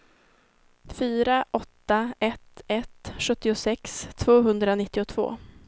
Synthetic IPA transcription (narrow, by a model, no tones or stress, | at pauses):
fyːɾaʔɔt̪ːaɛt̪ɛt̪ɧɵt̪ːɪʊsɛkst̪ʰv̥oːɦɵnd̪ɾanɪt̪ːɪʊt̪ʰv̥o̰ː